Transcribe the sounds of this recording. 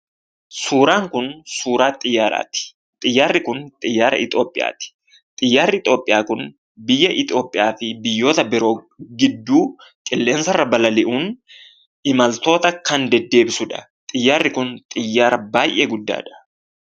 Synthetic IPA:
suːɾaːŋkʊnsuːɾaːt̪ʼɪjːaːɾa̰ːt̪ɪ̥ | t̪ʼɪjːaːrːɪkʊnt̪ʼɪjːaːɾɐ̰ɪt̪ʼo̞ːpʼːɪja̰ːt̪ɪ̥ | t̪ʼɪjːaːrːɪɪt̪ʼo̞ːpʼːɪjaːkʊn | bɪjːɐʔɪt̪ʼo̞ːpʼːɪjaːfɪbɪjːo̞ːt̪ɐbɛɾoː | ɡɪd̪ːuːkʼɪlːeːnsɐrːɐbɐlɐlɪʔuːn | ɪmɐlt̪o̞ːt̪ɐkːɐnd̪ɛd̪ːe̞ːbɪsʊd̪ɐ̰ | t̪ʼɪjːaːrːɪkʊnt̪ʼɪjːaːɾɐbaːʔeːɡʊd̪ːa̰ːd̪ɐ̥

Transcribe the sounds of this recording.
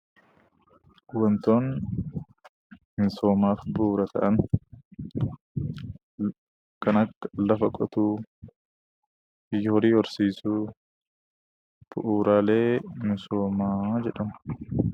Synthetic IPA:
wɔnt̪oːn | mɪsoːmaːfbuːɾɐt̪ʰɐ̰ʔɐn | kɐnɐkːɐlɐfɐkʼɔt̪uː | jhɔɾiːɔɾsiːsuː | b̥ʊʔuːɾaːleːmɪsoːmaːd͡ʒɛᶑɐmɐ

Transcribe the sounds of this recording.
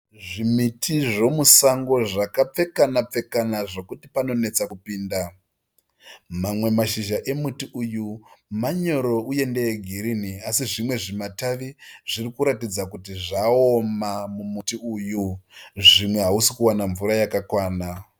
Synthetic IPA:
ʐimitʰiʐo̞musaŋɡo̞ʐakap͡fe̞kanap͡fe̞kanaʐo̞kutipano̞ne̞t͡sakupiːnda | mamwe̞maʃiʒaʔe̞mutiujumaɲo̞ɾo̞ue̞ndeeɡʱiɾiniasiʐimwe̞ʐimataʋiʐ̥irikuɾatid͡zakutiʐaomamumutiujuʐimwe̞ɦausikuwanaɱvuɾajakakwaːna

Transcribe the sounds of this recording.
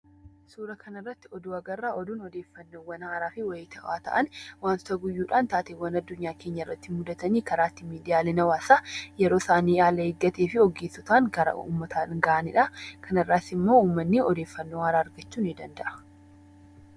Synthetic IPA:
suːɾɐkʰɐnɐrːɐt̪ːɪɔd̪uːɐɡɐrːaʔɔd̪uːnɔd̪e̞ːfːɐnːoːwːɐnhaːɾaːfɪwɐjt̪ʰɐaːt̪ɐ̰ʔɐnwaːnt̪ɐɡʊjːuːᶑaːnt̪aːt̪eːwɐnɐd̪ːʊɲːaːke̞ːɲːɐɪrːɐt̪ːɪmʊd̪ɐt̪ɐniːkɐɾaːt̪ːɪmiːd̪ɪjaːlɛnɐwaːsaːjɛɾoːsaːniːjaːlɐhɪɡːɐt̪eːfɪɔɡeːsʊt̪aːŋɡɐɾɐ̰ʔṵːmːɐt̪ʰaːɡɐʔɐnɪ̰ᶑɐkʰɐnɐrːaːsɪmːo̞ːuːmːɐnːɪʔɔd̪e̞ːfːɐnːoːhaːɾaːɾɡɐt͡ʃːuːnɪd̪ɐnd̪ɐʔɐ̥

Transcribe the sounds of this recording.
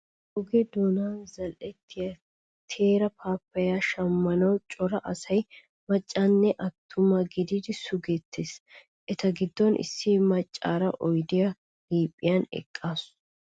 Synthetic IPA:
ʔʊɡɛd̪onaːzɐlʔɛt̪ːɪjɐ | t̪ʰe̞ːɾɐpʰaːpːɐjaːʃɐmːɐnɐwt͡ʃʼɔɾɐʔɐsɐj | mɐt͡ʃʼːanːɛʔɐt̪ʰːʊmɐɡɪd̪id̪ɪsʊɡeːt̪ʰːeːs | ʔɛt̪ɐɡɪd̪ːɔnʔɪ̰sːɪmɐt͡ʃʼːa̰ːɾɐʔɔjd̪ɪjɐ | liːpʼːɪjɐnɛ̰kʼːaːs

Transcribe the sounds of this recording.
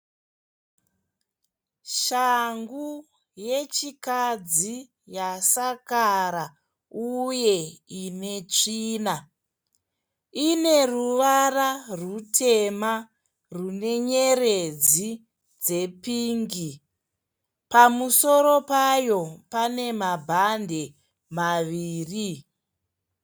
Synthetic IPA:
ʃaŋɡu | je̞t͡ʃikad͡zi | jasakaɾa | uje̞ine̞t͡ʂiːna | ine̞ruʋararutʰe̞ma | rune̞ɲe̞red͡zi | d͡ze̞piːŋɡi | pamuso̞ɾo̞pajo̞pane̞mabʱandʱe̞ | maʋiːri

